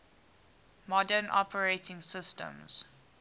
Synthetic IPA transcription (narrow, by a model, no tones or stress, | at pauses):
mɔdənʔɔ̰pʰəɹeɪtʰɪ̃ŋsɪstə̰̃mz̥